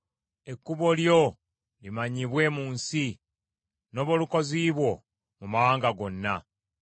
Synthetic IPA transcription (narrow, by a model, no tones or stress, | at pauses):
e̞kːuβo̞ljo | limaɲiβwe̞muːnsi | no̞ːβoluko̞ziːβwo̞ | mumaaːŋɡaɡo̞nːa